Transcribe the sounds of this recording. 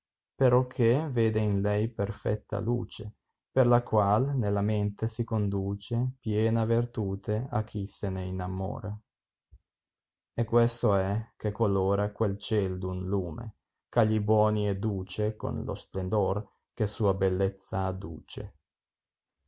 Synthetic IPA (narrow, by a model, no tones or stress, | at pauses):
peɾɔkʰːeveːd̪einlɛjperfɛ̰t̪ːa̰lṵːt͡ʃe | perlakwalnelament̪esikond̪uːt͡ʃepjɛːnavert̪uːt̪ea̰k̟ʰːiseneinamo̰ːɾe | ɛkːwest̪oɛkekwalːoːɾakwelt͡ʃɛld̪unluːmḛ | kaʎːibwɔːniɛd̪uːt͡ʃeko̰nlo̰splend̪or | kesuːabelːɛt̪sːaːd̪ṵːt͡ʃḛ